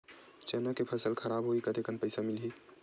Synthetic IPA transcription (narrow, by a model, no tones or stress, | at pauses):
t͡ʃɛnakepʰəsəlkʰəɾabɦoikət̪ekənpəjsamilɦi